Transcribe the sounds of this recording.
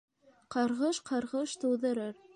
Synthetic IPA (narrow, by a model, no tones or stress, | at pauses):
qɑɾʁɤʃqʰɑɾʁɤʃt̪ɤ̆wðɤ̆ɾɤɾ